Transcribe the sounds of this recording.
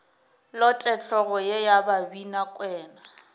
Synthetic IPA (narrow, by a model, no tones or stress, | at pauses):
lɔtʼɛt͡ɬʰɔɣɔjejababinakʼwɛːna